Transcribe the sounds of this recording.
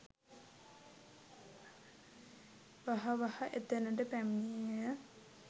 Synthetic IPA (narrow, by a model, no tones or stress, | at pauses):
ʋaɦɐʋahɐʔet̪enəʈəpæmnijjjə